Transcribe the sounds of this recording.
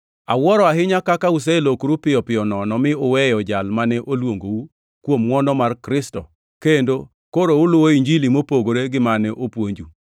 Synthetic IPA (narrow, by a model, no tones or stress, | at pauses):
awɔɾɔaɦɪɲakakaus̬ɛlokɾupɪjɔpɪjɔnɔnɔmɪʊwɛjɔd͡ʒalmanɛʔolwoŋɡou | kwomːwɔnɔmarkɾɪstɔ | kendo | koɾoʊlʊwoiɲd͡ʒilimopoɡoɾeɡɪmanɛʔopwoɲd͡ʒu